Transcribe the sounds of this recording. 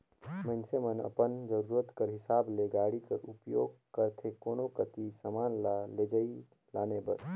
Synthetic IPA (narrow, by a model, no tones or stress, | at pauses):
mə̃nsemənə̰pənd͡ʒəɾuːɾət̪kəɾɦɪsaːbleɡaːɽikəɾupjoːɡkəɾt̪ʰekoːnokət̪isəmaːnlaled͡ʒəi | laːnebəɾ